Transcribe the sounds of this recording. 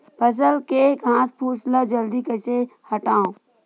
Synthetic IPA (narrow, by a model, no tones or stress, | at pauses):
pʰəs̬əlkeɡʱãːspʰuːsləd͡ʒəld̪ikəɪsehəʈaːõ